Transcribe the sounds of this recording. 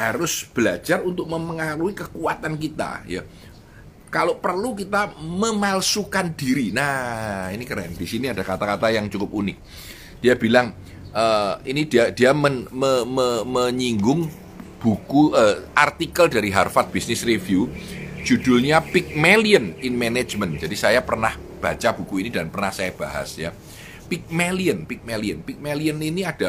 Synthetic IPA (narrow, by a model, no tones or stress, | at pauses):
haɾʊsb̥əlḁd͡ʒarunt̪ʊk̚məməŋaɾuikəkuat̪ankit̪a̰ja̰ | kalopərluk̬it̪aməmalsukandiɾinainikəɾɛ̰nd̥isiniadakat̪akat̪ajaŋt͡ʃukʊp̚unɪk̚ | d̥iabilaŋ | ʔəinidiadiamənməməməɲiŋɡʊŋ | b̥ukuʔəːʔart̪ikəldaɾiɦarfat̪̚b̥isnɪsrefjud͡ʒ̥ud̥ʊlɲapɪk̚meliənɪnmene̥d͡ʒmənd͡ʒ̥adisajapərnah | b̥at͡ʃab̥ukuinidanpərnahsajab̥aɦa̰sja | pɪk̚meliənpɪk̚meliənpɪk̚meliəniniad̥a